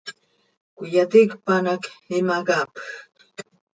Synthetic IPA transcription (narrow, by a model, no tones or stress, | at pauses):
kʊjat̪ɪkpanakɪmakap